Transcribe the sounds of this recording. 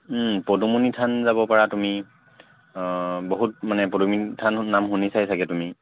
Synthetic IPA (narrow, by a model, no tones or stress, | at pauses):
podumunitʰanzabɔpaɹatumi | boɦut̚manɛpɔdumitʰanːamxunisajsaɡɛtumi